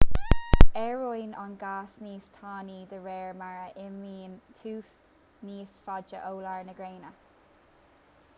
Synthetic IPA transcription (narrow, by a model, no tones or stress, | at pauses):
ɛɹɔjnɔnɡaːsniːst̪ʰaːniːd̪əɹɛːɹmaɹəʔɪmiːnt̪ʰuːθ | niːsfad͡ʒəʔoːlaɹnəɡɹeːnə